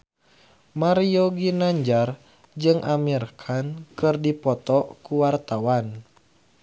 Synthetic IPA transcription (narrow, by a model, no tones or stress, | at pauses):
maɾioɡinaɲd͡ʒar | d͡ʒɨŋʔamirkʰankɨrdipɔt̪ɔkuwart̪awan